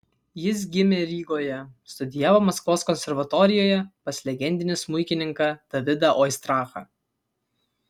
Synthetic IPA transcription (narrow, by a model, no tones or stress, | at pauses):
jɪs̬ɡʲɪmʲeːɾʲiːɡoːjɛst̪ʊd̪ʲɪjæːʋoːmɐskʋoːskɔnʲsʲɛɾʋɐt̪ɔɾʲɪjoːjɛpɐsʲlʲɛɡʲɛnʲd̪ʲɪnʲɪsmʊɪkʲɪnʲɪŋkɐd̪̥ɐʋʲɪd̪ɐʔɔɪst̪ɾɑːxɐ̰